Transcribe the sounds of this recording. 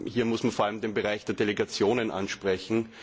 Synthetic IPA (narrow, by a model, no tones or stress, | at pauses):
hiːɐmʊsmanfoɐaləmdenbeʁaɪçd̥eːɐdeleɡat͡sjoːnənʔa̰nʃpʁ̥ɛçn̩